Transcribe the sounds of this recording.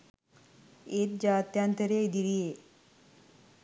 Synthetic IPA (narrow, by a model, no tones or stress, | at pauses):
et̪̚d͡ʒaːt̪jant̪əɾed̪iɾije